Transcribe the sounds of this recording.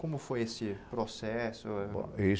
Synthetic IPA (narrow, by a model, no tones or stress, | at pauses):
kõmʊfojesɪpɾosɛsʊõ̰e